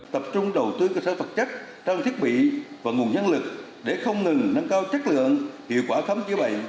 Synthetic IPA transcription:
t̪ə˨˩p̚t͡ɕʊ˧ŋ͡mɗə˨˩wt̪ɨ˧kəː˧səː˧˩fə˨˩t̚t͡ɕa˦˥k̚ | t͡ɕa˧ŋ͡mt̪ʰi˦˥ət̚ɓḭ˧˨vaː˨˩ŋu˨˩ənɲə˧nlɨ˨˩k̚ | ɗe˧˩xə˧wŋ͡mŋɨ˨˩ŋna˧ŋkaː˧wt͡ɕa˦˥k̚lɨ̰˧˨əŋhḭ˧˨əwkwaː˧˩xə˨˦mt͡ɕi˧˦ɓə̰˧˨j

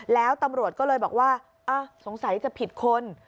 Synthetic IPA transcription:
lɛː˦˥wt̪a˧mɾu˨˩ət̪̚kɔː˥˩lɤː˧jbɔː˨˩k̚waː˥˩ | ʔaː˧˩so˩˦ŋsa˩˦jt͡ɕa˨˩pʰi˨˩t̪̚kʰo˧n

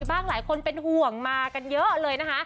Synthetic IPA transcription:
baː˥˩ŋlaː˨˩˦jkʰo˧npe˧nhu˨˩əŋmaː˧ka˧njɤ˦˥lɤː˧jna˦˥kʰa˦˥ʔ

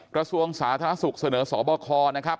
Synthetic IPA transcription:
kɾa˧su˧əŋsaː˩˦t̪ʰaː˧a˥su˨˩k̚sa˧nɤː˩˦sɔː˩˦bɔː˧kʰɔː˧na˦˥kʰa˦˥p̚

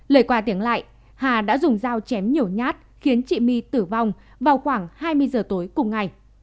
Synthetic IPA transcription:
ləː˨˩jkwaː˧t̪i˨˦əŋla̰ː˧˨j | haː˨˩ɗa̰ː˧˥zʊ˨˩ŋ͡mzaː˧wt͡ɕɛ˨˦mɲi˨˩əwɲaː˦˥t̚xi˨˦ənt͡ɕḭ˧˨mi˧t̪ɨ˧˩va˧wŋ͡m | vaː˨˩wxwaː˧˩ŋhaː˧jmɨ˧əjzəː˨˩t̪o˨˦jkʊ˨˩ŋ͡mŋa˨˩j

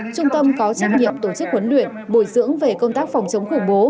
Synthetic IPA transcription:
t͡ɕʊ˧ŋ͡mt̪ə˧mkɔ˨˦t͡ɕa˦˥jk̚ɲḭ˧˨əmt̪o˧˩t͡ɕɨ˦˥k̚kwə˨˦nlwḭ˧˨ənɓo˧˩jzɨ̰˧˥əŋve˨˩kə˧wŋ͡mt̪aː˦˥k̚fa˨˩wŋ͡mt͡ɕə˨˦wŋ͡mxʊ˧˩ŋ͡mɓo˨˦

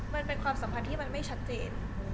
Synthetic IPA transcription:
ma˧npe˧nkʰwaː˧msa˩˦mpʰa˧nt̪ʰiː˥˩ma˧nma˥˩jt͡ɕʰa˦˥t̪̚t͡ɕeː˧n

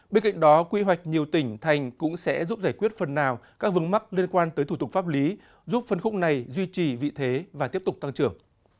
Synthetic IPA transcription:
ɓe˧nka̰˧˨ŋ̟ɗɔ˨˦kwi˧ɦwa˨˩jk̟̚ɲi˨˩əwt̪ï˧˩ŋ̟t̪ʰa˨˩jŋ̟kʊ̰˧˥ŋ͡msɛ̰˧˥zu˦˥p̚zaː˧˩jkwi˦˥ət̚fə˨˩nːaː˨˩wkaː˦˥k̚vɨ˨˦əŋma˦˥k̚li˧ənkwaː˧nt̪əː˨˦jt̪ʰu˧˩t̪̚fa˦˥p̚li˨˦ | zu˦˥p̚fə˧nxʊ˦˥k͡p̚na˨˩jzwi˧t͡ɕi˨˩vḭ˧˨t̪ʰe˨˦vaː˨˩t̪i˦˥əp̚t̪ʊ˨˩k͡p̚t̪a˧ŋt͡ɕɨ˧˩əŋ

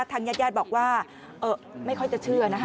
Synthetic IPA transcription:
t̪ʰaː˧ŋjaː˥˩t̪̚jaː˥˩t̪̚bɔː˨˩k̚waː˥˩ | ʔɤː˧˩ma˥˩jkʰɔ˥˩jt͡ɕa˨˩t͡ɕʰɯ˥˩ɐna˦˥

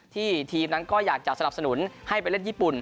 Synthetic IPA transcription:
t̪ʰiː˥˩t̪ʰiː˧mna˦˥nkɔː˥˩jaː˨˩k̚t͡ɕa˨˩sa˧na˨˩p̚sa˧nu˩˦nha˥˩jpe˧le˥˩njiː˥˩pu˨˩n

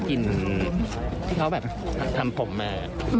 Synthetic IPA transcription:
ki˧n | t̪ʰiː˥˩kʰa˦˥wbɛː˨˩p̚t̪ʰt̪ʰa˧mpʰo˩˦mːaː˧

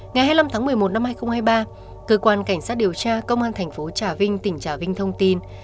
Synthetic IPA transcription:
ŋa˨˩jɦaː˧jla˧mt̪ʰaː˨˦ŋmɨ˨˩əjmo˨˩t̚na˧mhaː˧jxə˧wŋ͡mhaː˧jɓaː˧ | kəː˧˩kwaː˧nka˧˩jŋ̟saː˦˥t̚ɗi˨˩əwt͡ɕaː˧kə˧wŋ͡mʔaː˧nt̪ʰɛ˨˩ŋ̟fo˨˦t͡ɕaː˧˩vï˧ŋ̟t̪ï˧˩ŋ̟t͡ɕaː˧˩vï˧ŋ̟t̪ʰə˧wŋ͡mt̪i˧n

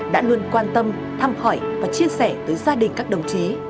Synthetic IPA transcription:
ɗa̰ː˧˥lɨ˨˧˩ənkwaː˧nt̪ə˧m | t̪ʰaː˧˩mxɔ˧˩jvaː˨˩t͡ɕi˧əsɛ˧˩t̪əː˨˦jzaː˧ɗï˨˩ŋ̟kaː˦˥k̚ɗə˨˩wŋ͡mt͡ɕi˨˦

